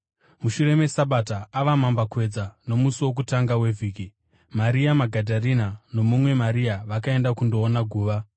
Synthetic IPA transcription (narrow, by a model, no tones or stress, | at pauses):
muʃuɾe̞me̞saɓataːʋamambakwe̞d͡zano̞musiwo̞k̬utaŋɡawevʱiːki | maɾiamaɡʱadʱarinano̞mumwe̞maɾiaʋakae̞ndakundo̞ːnaɡʱuːʋa